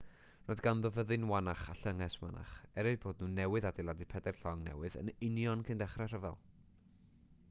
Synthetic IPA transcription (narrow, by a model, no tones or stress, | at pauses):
rɔðɡanðɔvəðɨnwanaχaɬəŋɛswa̰na̰χɛɾɨboːd̚nuːnɛwɨðadɪlˠadipʰɛdɛrɬɔŋnɛ̰wɨðə̰nɪnjɔnkʰɨndɛχrɛr̥əvɛlˠ